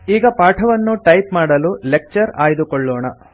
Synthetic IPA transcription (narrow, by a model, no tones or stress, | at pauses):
iːɡɐpaːʈʰɐʋɐnːuʈɐjpmaːɽɐlulek̚t͡ʃɐɾaːjɐd̪ukɔɭːɔːɳɐ